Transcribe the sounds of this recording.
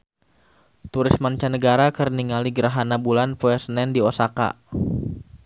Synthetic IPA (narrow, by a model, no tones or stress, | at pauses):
t̪uɾismaɲt͡ʃanəɡaɾakərniŋaliɡəɾaɦanabulanpoɛsənɛndiosaka̰